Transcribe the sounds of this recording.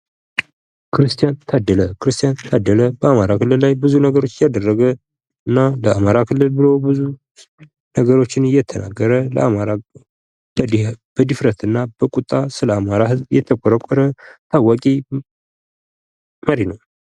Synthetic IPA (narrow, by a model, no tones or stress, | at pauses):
kʰɨɾɨst̪ʰijant̪ʰad̪ːələkʰɨɾɨst̪ʰijant̪ʰad̪ːələbəamaɾakʰɨlːɨllajbɨzunəɡəɾo̞t͡ʃːjad̪ərːəɡə | ɨnːaləamaɾakʰɨlːɨlbɨlobɨzu | nəɡəɾo̞t͡ʃːɪnjɛt̪ʰəna̰ɡːəɾələ̰amaɾa | b̥əd̪ifɾət̪ɨnːabəkʼut̪ʼːasɨləamaɾaɦɨzbjɛt̪ʰəkʼɔɾəkʷʼːɔɾət̪ʰawːakʼi | məɾinəw